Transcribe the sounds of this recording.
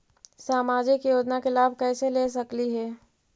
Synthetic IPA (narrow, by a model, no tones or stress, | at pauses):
saːmaːd͡ʒɪkjoːd͡ʒnakelaːbʱkɛːseleːsɐkliɦɛː